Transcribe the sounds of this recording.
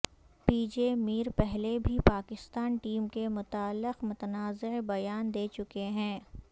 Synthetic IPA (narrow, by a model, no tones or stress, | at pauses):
piːd͡ʒeːmiːɾpɛɦlebʱipaːkɪst̪aːnʈiːmkemʊt̪aːlːɪqmʊt̪ənaːzebɐjaːnd̪eːt͡ʃʊkeɦɛ̃ː